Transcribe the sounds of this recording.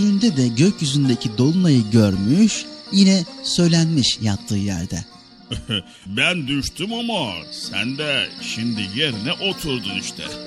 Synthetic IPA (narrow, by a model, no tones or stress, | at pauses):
yɾynd̪ɛd̪ɛɟø̞cjyzynd̪e̞cʰid̪o̞lˠunajɯɟø̞ɾmyʃjinɛsø̞jlʲænmiʃjap̚t̪ʰːɯːjæ̰ɾd̪ɛ̰ | bænd̪yʃt̪ʰumamasæ̰nd̪ɛʃimd̪ijeɾinɛʔo̞t̪ʰuɾd̪uniʃt̪ʰɛ̰